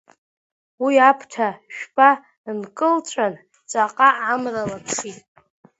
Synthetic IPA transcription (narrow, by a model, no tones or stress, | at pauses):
wiapʰtʰaʃᶣpʼa | nkʼɨlt͡ʃʷʼan | t͡sʷʼaqʼaamralapʰʂitʼ